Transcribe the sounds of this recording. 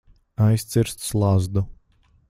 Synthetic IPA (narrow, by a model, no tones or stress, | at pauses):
ajst̪sʲiɾst̪slˠazd̪u